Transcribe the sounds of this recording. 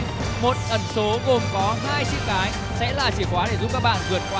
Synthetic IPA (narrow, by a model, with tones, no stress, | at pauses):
mo˨˩t̚ʔə˨˩nso˨˦ɣo˨˩mkɔ˨˦ɦaː˧jt͡ɕḭ˦˥k̚kaː˨˦j | sɛ̰˧˥laː˨˩t͡ɕi˧˩əkwaː˨˦ɗe˧˩zu˧˥p̚kaː˦˥k̚ɓa̰ː˧˨nɣɨ˨˧˩ənkwaː˨˦